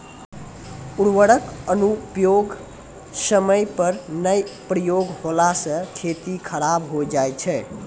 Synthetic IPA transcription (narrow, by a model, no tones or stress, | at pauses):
uɽwəɽəkənupjoɡ | səməjpəɾnəjpɾəjoɡholasə̃kʰet̪ikʰəɾabɦod͡ʒajt͡ʃʰɛ